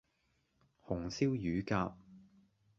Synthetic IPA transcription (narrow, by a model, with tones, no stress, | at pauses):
hʊ˨˩ŋsiː˥wjyː˨˥kaː˧p̚